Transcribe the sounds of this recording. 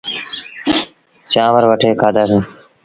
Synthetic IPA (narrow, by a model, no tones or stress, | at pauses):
t͡ʃãːʋəɾʋəʈʰeːkʰaːd̪aːsẽː